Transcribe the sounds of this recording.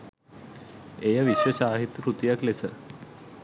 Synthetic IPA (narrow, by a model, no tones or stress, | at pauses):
ejaʋiɕʋəɕaːɦit̪jkɾut̪ijaklesə